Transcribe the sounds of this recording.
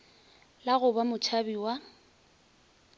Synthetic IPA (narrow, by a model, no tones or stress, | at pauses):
laɣʊbamʊt͡ʃʰabiwa